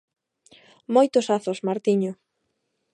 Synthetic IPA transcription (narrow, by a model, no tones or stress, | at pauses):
mojt̪ʊsaθosmaɾt̪iɲʊ